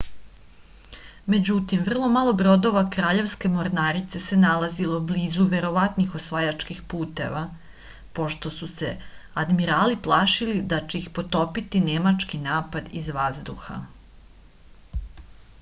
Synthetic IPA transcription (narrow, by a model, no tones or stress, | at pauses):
me̞d͡ʑut̪imvr̩lˠo̞malˠo̞bɾo̞d̪o̞ʋakɾaːʎe̞ʋske̞mo̞ɾnaːɾit̪se̞se̞nalˠazilo̞bliːzuʋe̞ɾo̞ʋat̪nixo̞sʋajat͡ʃkixpuːt̪e̞̰ʋa | po̞ʃt̪o̞suse̞̰ad̪miɾaːliplˠaːʃilid̪at͡ɕeixpo̞t̪o̞pit̪inemat͡ʃkinaːpad̪izʋazd̪uxa̰